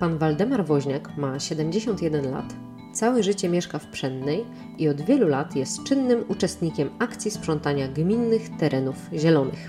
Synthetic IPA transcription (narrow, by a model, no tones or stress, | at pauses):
panvald̪ɛmaɾvɔʑɲakmaɕɛd̪ɛmʲd͡ʑeɕɔnt̪jɛd̪ɛnla̰t̪ | t̪sawɛʐɘt͡ɕɛmʲjɛʂkafpʂɛnd̪nɛj | iɔd̪vʲjɛlulat̪jɛst̪t͡ʂɘnːɘmut͡ʂɛst̪ɲikʲɛmakt̪sʲjispʂɔnt̪aɲaɡmʲinːɘxt̪ɛɾʔɛnufʑɛlɔnɘ̰x